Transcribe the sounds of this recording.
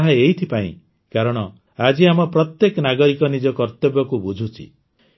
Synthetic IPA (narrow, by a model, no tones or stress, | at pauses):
ɦaejt̪ʰipaḭ̃ | kaɾɔɽ̃ɔ | ad͡ʒiamɔpɾɔt̪jekɔnaɡɔɾikɔnid͡ʒɔkɔɾt̪ebɔkubud͡ʒʱut͡ʃʰḭ